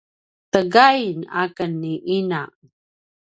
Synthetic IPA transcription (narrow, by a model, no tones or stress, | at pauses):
təɡajna̰kənːiʔinaʔ